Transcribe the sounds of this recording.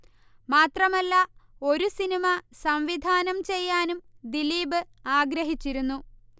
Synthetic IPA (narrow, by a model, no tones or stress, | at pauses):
maːt̪rɐmɐlːɐo̞ɾusinimɐsɐmʋid̪ʱaːnɐmt͡ɕe̞jːaːnumd̪iliːbɨaːɡɾɐɦit͡ɕːiɾunːu